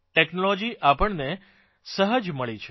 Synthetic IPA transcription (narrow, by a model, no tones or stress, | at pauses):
ʈɛknolod͡ʒiʔapəɳne | səɦəd͡ʒməɭit͡ʃʰe